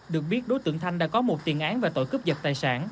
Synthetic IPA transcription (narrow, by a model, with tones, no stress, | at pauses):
ɗɨ˨˩ək̚ɓi˦˥ət̚ɗo˨˦jt̪ɨ̰˧˨əŋt̪ʰa˧jŋ̟ɗa̰ː˧˥kɔ˨˦mo˨˩t̚t̪i˨˩ənʔaː˨˦nvaː˨˩t̪o̰˧˨jkɨ˦˥p̚zə˨˩t̚t̪aː˨˩jsa̰ː˧˩n